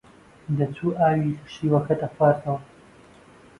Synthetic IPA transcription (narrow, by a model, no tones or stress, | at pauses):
d̪ɐt͡sʰuːʔaːwilɐʃiːwɐkʰɐt̪ɐxwaːɾt̪ʰɐwɐ